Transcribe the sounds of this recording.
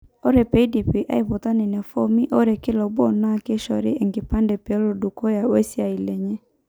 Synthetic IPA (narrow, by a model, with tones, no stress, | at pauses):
o˦ɾe˨pe˨˦i˦di˨pi˨ʔa̰˦i˨βo˨t̪a˦ne˨nɛ˨fo˦mi˦ʔo˦ɾe˨kɪ˦lɔ˨bɔ˦na˦˨ke˦ʃɔ˨ɾɪ˦ɛ˨ŋɡe˨pa˦ndɛ˨pɛ˨ɔ˦lo˨du˨kɔ˦ja˨we˦sja˨i˨lɛ˨ɲɛ˦